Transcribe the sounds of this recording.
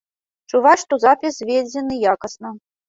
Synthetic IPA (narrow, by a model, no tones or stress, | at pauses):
t͡ʂuvaʂt̪ɔzapʲisvʲed͡zʲɛnɨjakɐsnɐ